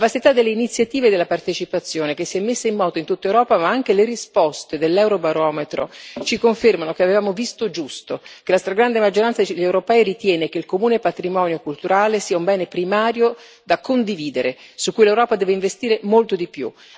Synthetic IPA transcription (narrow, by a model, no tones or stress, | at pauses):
vast̪it̪ad̪elːeinit̪sːjat̪iːved̪elːapart̪et͡ʃipat̪sːjoːnek̟esːiɛmːesːaimːɔːt̪oint̪ut̪ːaewɾɔːpamaaŋk̟eleɾispɔst̪ed̪elːɛwɾobaɾɔːmet̪ɾo̰t͡ʃikoɱfermanok̟eavevaːmovist̪od͡ʒust̪okelast̪ɾaɡɾand̪emad͡ʒːoɾant̪sad̪ʎːewɾopɛːiɾit̪jɛːnek̟eilkomuːnepat̪ɾimɔːnjokult̪uɾaːlesiːaumbɛːnepɾimaːɾjo | d̪akːond̪iviːd̪eɾe | sukːujlewɾɔːpad̪ɛːveiɱvest̪iːɾemolt̪od̪ipjṵ